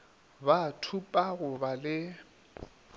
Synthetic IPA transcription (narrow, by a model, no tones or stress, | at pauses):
batʰupʼaɣʊbalɪ